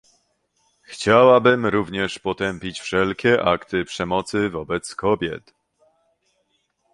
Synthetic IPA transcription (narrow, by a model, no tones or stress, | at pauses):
xt͡ɕawabɘmɾuvɲɛʂpɔt̪ɛmpʲit͡ɕfʂɛlkʲɛʔakt̪ɘpʂɛmɔt̪sɘvɔbɛt̪skɔbʲjɛ̰t̪